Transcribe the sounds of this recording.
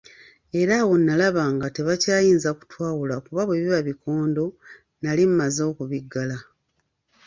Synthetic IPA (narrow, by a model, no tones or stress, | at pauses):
e̞ɾawo̞nːalaβaːŋɡate̞βacaːjiːnzaku̥twaːwulakuβaβweβiβaβikʰo̞ːndo̞ | nalimmazoːkuβiɡːala